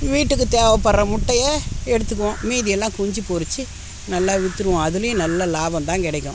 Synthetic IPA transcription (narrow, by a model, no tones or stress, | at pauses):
ʋiːʈːɯk̬ːɯt̪eːʋɐpːɐɾːɐmʊʈːɐjeɛɽɯt̪ːɯkːɐõmiːðɪjɛlːãːkʊɲd͡ʒipoɾɯt͡ʃːɯ | nɐlːaːʋɪt̪ːɯɾɯʋʊ̃ɐðɯlɯjʊ̃nɐlːɐlaːbɐmt̪ãːŋkɪɽɐɪkʲːʊ̰̃